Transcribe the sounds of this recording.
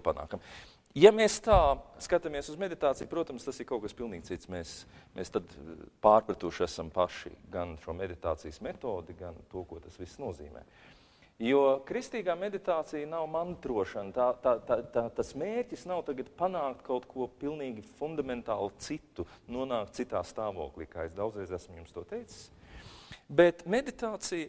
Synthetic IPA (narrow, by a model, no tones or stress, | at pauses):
pana̰ːkam | jameːst̪aːskat̪amiɛsuzmed̪it̪aːt̪sijupɾuɔt̪ɐmst̪asɪɾkaʊkaspilˠniːɡ̥̚ʲt̪it̪smeːsmʔḛːst̪ad̪paːɾpɾɐt̪uʃæsampaʃḭɡanʃuɔmed̪it̪a̰ːt̪sḭjsmet̪oːd̪iɡant̪uɔkuɔt̪asʋisːnuɔzḭːmɛ̰ː | juɔkɾist̪iːɡaːmed̪it̪aːt̪sijnawmant̪ɾuɔʃɐnt̪aːt̪at̪at̪aːt̪asmeːɾʲcisnawt̪aɡat̪panaːkt̪kʰawt̪kʰuɔpilˠniːɡʲifund̪amɛnt̪aːlˠt̪sit̪ːunuɔnaːkt̪̚sit̪aːst̪aːʋoɔːklʲˠiːkaːesd̪aw̪zɾɛɪzæsmjumst̪uɔt̪ɛjt̪sɪ̥s | bet̪med̪it̪aːt̪sij